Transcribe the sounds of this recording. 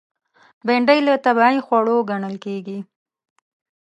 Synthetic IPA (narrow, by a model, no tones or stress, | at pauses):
beɳɖəjlət̪abaixwaɽoɡaɳəlkeɡi